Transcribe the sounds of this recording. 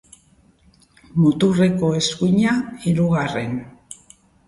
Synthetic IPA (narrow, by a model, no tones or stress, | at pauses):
mut̪ure̞ko̞e̞skuɲaiɾuɣare̞n